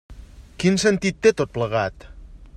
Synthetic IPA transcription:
kinsənt̪it̪ːet̪ot̪̚pləɣat̪

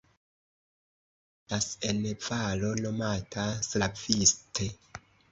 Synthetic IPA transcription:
lasenvalo̞no̞matʰaslavistʰe

